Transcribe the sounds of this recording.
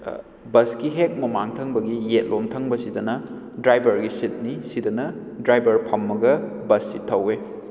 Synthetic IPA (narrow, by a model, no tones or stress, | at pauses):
bɐskiɦek̚mɐmaŋtʰɐŋbɐɡijet̚lʔomtʰɐŋbɐsidɐnɐ | dɾajbɐɾɡisit̚nisidɐnɐ | dɾajbɐɾpʰɐmːɐɡɐbɐsːitʰːɐwe